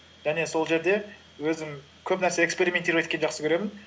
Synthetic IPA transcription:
ʒ̥æne̞so̞lˠʒe̞ɾd̪e̞ | wɵzɪŋ | kʲʰɵpnæɾse̞ekspe̞ɾime̞nt̪eɾɪpe̞t̪kʲenʒɑqsəkʲʰeɾe̞mɪn

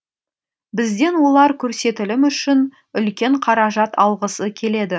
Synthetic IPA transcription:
bɪzd̪e̞nwo̞lˠɑɾkʲʰɵɾse̞t̪ɪlɪmʏʃɪn | ʏlkʲe̞ɴqʰɑɾɑʒɑt̪ʰɑlˠʁəsəkʲʰe̞le̞d̪ɪ

